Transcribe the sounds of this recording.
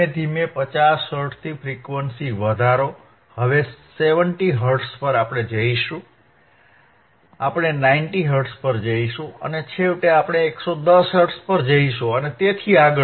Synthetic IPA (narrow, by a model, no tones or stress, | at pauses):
ed̪ʱimepət͡ʃasɦəɾʈt̪ʰifʰɾikʋənsiʋəd̪ʱaɾo | həʋeseʋəɳʈiɦəɾʈspəɾapɽ̃ed͡ʒəiʃũ | apɽ̃enaɪinʈiɦəɾʈspəɾd͡ʒəiʃũə̰net͡ʃʰeʋʈeapɽ̃eːksod̪əsɦəɾʈspəɾd͡ʒəiʃũənet̪et̪ʰiaɡə